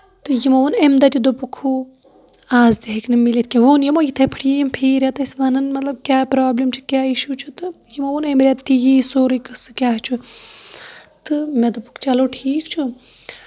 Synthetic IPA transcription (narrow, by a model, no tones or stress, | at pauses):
t̪ɨjimɐʋunemd̪ɐt̪ʲid̪opukʰuː | aːzd̪iɦɐknɨmːilet̪̚ʰkʲeʋoːnjimoːjit̪ʰɐpʰə̥ʈʰjijimpʰiːɾʲat̪ɐsʲʋɐnɐnmɐt̪lɐb̚kʲaːpɾaːblimt͡ʃʰu̥kʲaːiʃut͡ʃʰut̪ɨjimoʋunemɾʲat̪t̪ijiːsoːɾikɨsɨkʲaːɦt͡ʃʰu | t̪ɨmed̪ɐpu̥kʰt͡ʃɐloːʈʰiːkt͡ʃʰu